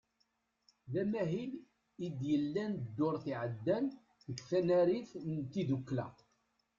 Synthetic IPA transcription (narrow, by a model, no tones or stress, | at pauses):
ðæmæɦil | id̪jəlːænd̪ːʊɾθiʕəd̪ːæn | ðəkθænæɾiθnt̪ːiðukːlæ̰